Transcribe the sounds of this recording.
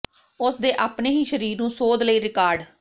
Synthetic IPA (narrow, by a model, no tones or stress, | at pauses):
ʊsd̪eːʔaːpneːɦiːʃəɾiːɾnũːsoːd̪ləiːɾɪkaːɾɖ